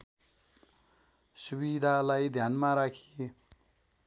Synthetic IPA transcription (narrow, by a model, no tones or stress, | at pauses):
suβid̪ʱalajd̪ʱjanmaɾakʰie